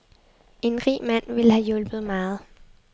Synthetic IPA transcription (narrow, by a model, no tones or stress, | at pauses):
e̝nʁḭːmæn̰ʋe̝ləhæjɔ̽lb̥ð̩ˠmɑ̈ːð̞̩ˠ